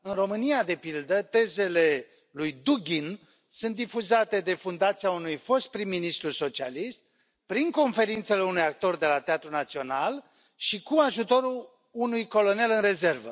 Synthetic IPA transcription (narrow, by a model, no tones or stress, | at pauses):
ɨnro̞mɨniad̪e̞pild̪ət̪e̞ze̞le̞ | lujd̪uɡʲin | sunt̪d̪ifuzat̪e̞d̪e̞fund̪at̪siaunujfo̞st̪̚pɾimːinist̪ɾuso̞t͡ʃia̰list̪̚ | pɾiŋko̞nfe̞ɾint̪se̞le̞unujak̚t̪o̞rd̪e̞lat̪eat̪ɾunat̪sio̞nal | ʃikuaʒut̪o̞ɾu | unujko̞lo̞ne̞lɨnre̞ze̞rvə̰